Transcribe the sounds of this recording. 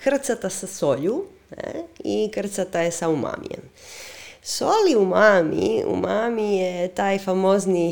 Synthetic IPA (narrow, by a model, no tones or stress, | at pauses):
kr̩t̪sat̪asasoʎu | nḛikr̩t̪sat̪ajesauma̰ːmḭjḛm | soliumaːmḭṵmamijet̪aːjfamo̞ːzni